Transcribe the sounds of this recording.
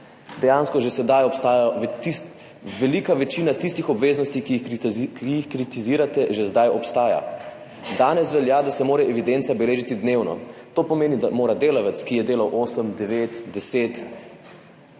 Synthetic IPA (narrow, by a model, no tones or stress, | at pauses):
d̪ɛjanskɔʒesɛd̪ajɔpst̪aːjaʋt̪i | ʋɛlikaʋɛt͡ʃiːnat̪ist̪ixɔbʋeːznɔst̪ikiikijixkɾit̪iziːɾat̪ɛʒezd̪ajɔpst̪aːja̰ | d̪aːnɛsʋɛljaːd̪asɛmoːɾɛʔɛʋid̪ent̪sabɛleːʒit̪id̪neːwnɔ̰t̪oːpɔmeːnid̪amoːɾad̪eːlaʋɛt̪skijɛd̪eːlawʔoːsəmd̪ɛʋeːt̪d̪ɛseːt̪